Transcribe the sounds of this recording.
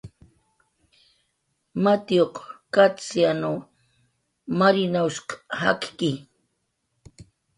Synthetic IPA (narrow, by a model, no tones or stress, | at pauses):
mat̪ijoqkat͡sjano | maɾinawʃqhakkɪ